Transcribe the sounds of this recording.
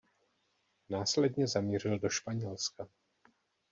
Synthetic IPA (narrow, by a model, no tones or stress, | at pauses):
naːslɛd̪ɲɛzamiːrɪldoʃpaɲɛlska